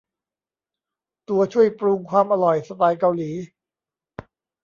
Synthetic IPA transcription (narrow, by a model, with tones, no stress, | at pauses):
t̪u˧ɐt͡ɕʰu˥˩əjpɾu˧ŋkʰwaː˧mʔa˧ɾɔ˨˩jsa˧paː˧jka˧wliː˩˦